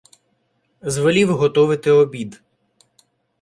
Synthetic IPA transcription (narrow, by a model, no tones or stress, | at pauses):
zʋɔlʲiwɦɔt̪ɔʋɪt̪ɪɔbʲid̪